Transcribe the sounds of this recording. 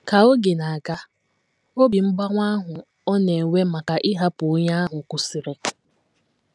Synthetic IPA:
ka˨o˦ɡe˨na˨a˨ɡa˦ | o˦bi˨m̩˦ɡ͡ba˦ŋʷa˦ɦʊ˨ | ɔ˦ne˨wʷe˦ma˨ka˨ʔɪ˦ɦa˦pʊ˨o˦ɲa˦ɦʊ˨kʊ˨si˨ɾe˨

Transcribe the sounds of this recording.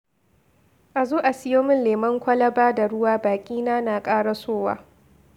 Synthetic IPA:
ʔa˨zoː˦ʔa˨sɪ˦joː˦mɪ˦nleː˨mɐ˦ŋkʷɐ˦lɐ˦baː˦da˨ɽʊ˦waː˦baː˨kʲʼiː˦naː˦naː˨kʼaː˦ɽa˨soː˦˨wa̰ː˦

